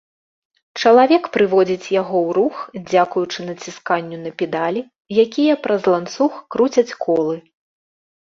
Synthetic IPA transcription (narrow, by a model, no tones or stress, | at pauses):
t͡ʂɐlˠavʲɛkpɾɨvɔd͡zʲit͡sʲjaɣɔwɾuxd͡zʲakujut͡ʂɨnɐt͡sʲiskanʲːunɐpʲɛd̪alʲi | jakʲijɐpɾɐzlˠant̪suxkɾut͡sʲɐt͡sʲkɔlˠɨ